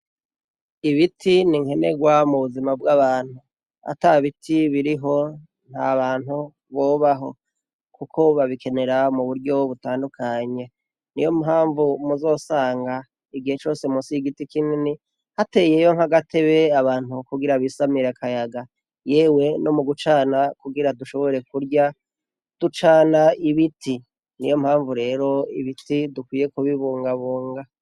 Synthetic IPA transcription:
iβitʰiniŋhe̞ne̞ɡwamuβuzimab̚ɡaβaːn̥hu | a̰taβitʰiβiɾiɦo̞ | n̥haβaːn̥hu | βo̞ːβaɦo̞̰ | kukʰo̞βaβikʰe̞ne̞ɾamuβuɾɟo̞βutaːndukʰaɲe̞ | nijo̞muɦaːɱvumuzo̞ːsaːŋɡa | iɡihe̞t͡ʃo̞ːse̞musiɡitikinini | hate̞ːje̞jo̞ŋhaɡatʰeβe̞aβaːn̥hukuɡiɾaβisamiɾekʰajaɡa | jeːwe̞no̞muɡut͡ʃaːnakuɡiɾaduʃo̞βoɾe̞kuɾɟa | d̥ut͡ʃaːnaiβitʰi | nijo̞mhaːɱvuɾe̞ːɾo̞ḭβitidukwiːje̞kuβiβuːŋɡaβuːŋɡa

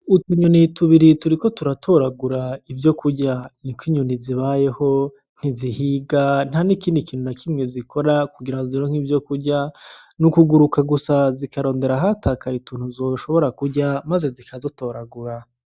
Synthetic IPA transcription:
utiɲonituβiɾituɾiko̞tuɾatʰo̞ɾaɡuɾaivjo̞kʰuɾɟanikwiɲoniziβaje̞ho̞ | n̥hizihiɡan̥hanikiːndikiːn̥unakʰimŋe̞zikʰo̞ɾakuɡiɾaoziɾoŋ̥ivjo̞kuɾɟa | nukuɡuɾukaɡusazikaɾo̞ːnde̞ɾaɦatʰakajituːn̥huzo̞ʃo̞βo̞ɾakuɟamaze̞zikʰazoto̞ɾaɡuɾa

